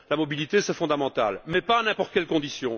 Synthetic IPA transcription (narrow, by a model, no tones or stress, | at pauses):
lamɔbilit̪esɛfɔ̃d̪amɑ̃t̪almɛpaːnɛ̃pɔʁt̪ə̥kʲɛlkɔ̃d̪isjɔ̃